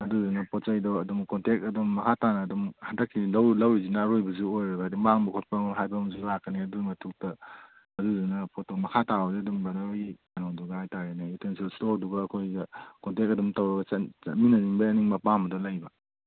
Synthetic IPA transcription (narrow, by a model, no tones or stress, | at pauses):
ɐduzinɐpʰɔt͡ʃajdɔɐdumkɔntek̚ɐdumːɐkʰatanɐːdumhandɐkʰːilɐwlɐwizinɐːɾojbɐzuojɾɐbɐaduŋbaŋbɐkʰut̚pɐmɦajbɐmzulakʰɐniɐdumɐtʰuk̚tɐ | ɐduzinɐpʰotomɐkʰatazeɐdumbɐnai | anɔŋduɡɐhajtaɾenɐitʰensilstoɾduɡɐːkʰojɡɐkɔntek̚ɐdumtawɾɐɡɐsɐminɐniŋbɐɐniŋmɐpambɐdɔlajbɐ